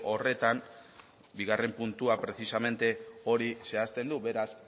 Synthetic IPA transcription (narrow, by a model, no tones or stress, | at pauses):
o̞re̞t̪am | biɣ̞are̞mpunt̪uapɾe̞sisame̞nt̪e̞o̞ɾise̞ast̪e̞nd̪uβe̞ɾas